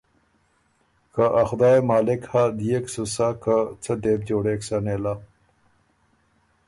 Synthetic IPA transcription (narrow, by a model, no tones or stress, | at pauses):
kaʔaxd̪aːjemaːlekhad̪ijeksusakət͡sʰəd̪eːb̚d͡ʑoːɽeksaneːla